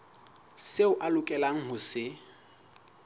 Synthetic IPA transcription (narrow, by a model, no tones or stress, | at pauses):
seʊʔalʊkʼɛlaŋ̩hʊsɪ